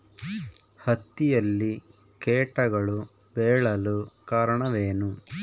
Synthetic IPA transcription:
hɐt̪ːijɐlːi | keːʈɐɡɐɭu | bɛːɭɐlukaːɾɐɳɐʋeːnu

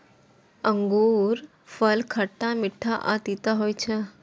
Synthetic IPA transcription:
ə̃ŋɡuːɾ | fʰəlkʰəʈːamɪʈʰːaʔa̰t̪it̪aɦoːjt͡ʃʰe

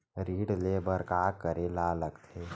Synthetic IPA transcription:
ɾiːɽleːbəɾkaːkəɾelaləɡt̪ʰeː

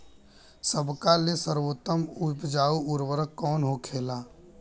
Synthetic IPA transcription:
səbkalesəɾwoːt̪ːəmʊpd͡ʒaːuʊɾwəɾəkːɔːnɦokʰeːlaː

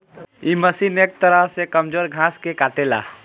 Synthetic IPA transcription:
iməsineːk̚t̪əɾəɦsekəmd͡ʒoːɾɡʱãskekaːʈela̰ː

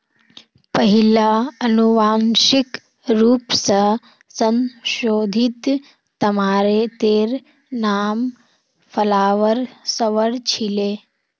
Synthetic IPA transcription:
pɐɦilaɐnuʋaːnʃik | ɾuːpsɐ | sɐ̃nʃoːd̪ʱit̪ː | ɐmaːɾet̪eːɾ | naːm | fʰɐlaːʋəɾsɐʋəɽt͡ʃʰileː

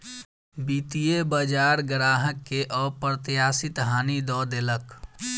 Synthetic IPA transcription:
biːt̪ijebəd͡ʒaːɾɡɾaːɦəkːeʔɔːɾpɾət̪jaːsɪt̪ɦaːnid̪ɔːd̪elək

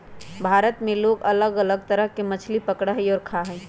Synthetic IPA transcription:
bʱaːɾət̪mẽloːɡɐləɡələɡ̚t̪əɾəɦkemət͡ʃʰlipəkɽaɦɛɔːɾkʰaɦɛː

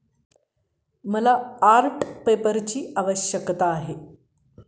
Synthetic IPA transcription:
məlaːɾʈpepəɾt͡ɕiːaʋəɕjəkt̪aːɦe

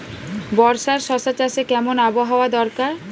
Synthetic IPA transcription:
bɔɾʃaɾʃɔʃat͡ɕaʃekɛmonaboɦaoad̪ɔɾkaɾ

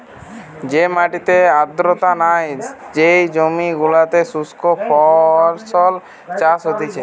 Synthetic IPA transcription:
d͡ʒemaʈit̪ead̪ɾot̪anajd͡ʒejd͡ʒomiɡulat̪esuskopʰɔɾsɔl | t͡ʃasɦot̪it͡ʃʰe

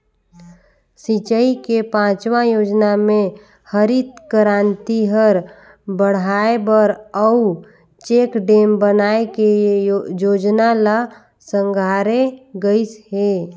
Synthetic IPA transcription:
sit͡ʃəikepãːt͡ʃʋãjoːd͡ʒnamẽ | həɾit̪kəɾant̪iɦəɾ | bəɽ̤aebəɾəu | t͡ʃeːkɖeːmbənaekejoːd͡ʒnala | sə̃ŋɡʱaːɾeɡəisɦe

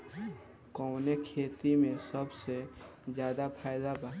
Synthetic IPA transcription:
kɔːnekʰeːt̪imẽsəbse | zjaːd̪apʰaːɪd̪aba

